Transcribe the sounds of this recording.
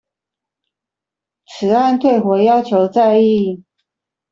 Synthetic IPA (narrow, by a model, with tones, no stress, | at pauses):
t͡sʰɹ̩˨˥a˥˧nt̪ʰwe˥˩ɪxwɔ˨˥jɑ˥ʊt͡ɕʰjo˧˥ʊt͡sa˥˧ɪi˥˨